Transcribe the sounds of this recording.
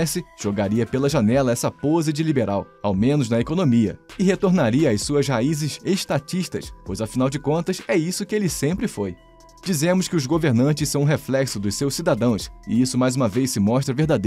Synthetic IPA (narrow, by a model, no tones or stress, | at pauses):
sɪʒ̥oɡaɾiɐpelɐʒanɛlɐɛsɐpozɪd͡ʒɪlibeɾʔaw | a̰wmẽnʊznɐekonõmiɐ̰ɪɦet̪oɾnaɾiɐːjsuɐzhaizɪzeʃt̪at͡ʃiʃt̪ɐ̰spojzɐfinawd͡ʒɪkõnt̪ɐsɛisʊkɪelɪsẽmpɾɪfoj | d͡ʒizẽmʊskɪʊzɡoveɾnɐ̃nt͡ʃɪssɐ̃w̃ũɦeflɛksʊd̪ʊssewsid̪ad̪ɐ̃w̃sɪ̰isʊmajzũmɐvejssɪmɔʃt̪ɾɐveɾd̪ad̪